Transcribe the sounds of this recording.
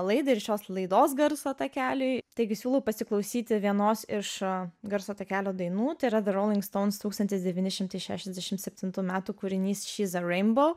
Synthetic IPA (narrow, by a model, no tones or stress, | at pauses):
lˠɐɪd̪ɐɪɾʃʲoːslˠɐɪd̪oːsɡɐɾsoːt̪ɐkʲæːlʲʊɪt̪ɐɪɡʲɪsʲuːlˠɐʊpɐsʲɪklˠɐʊsʲiːt̪ʲɪʋʲiɛnoːsɪʃɡɐɾsoːt̪ɐkʲæːlʲoːd̪ɐɪnuːt̪ɐɪɾɐðɐɾoʊlʲɪŋkst̪oʊnst̪uːkst̪ɐnʲt̪ʲɪsd̪ʲɛʋʲiːnʲɪʃʲɪmt̪ɐɪʃʲæ̰ːʃʲɛzd̪ʲɛʃʲɪmt̪sʲɛpʲt̪ʲɪnt̪uːmʲæːt̪uːkuɾʲɪnʲiːsʃʲiːzɐɾɛɪnboʊ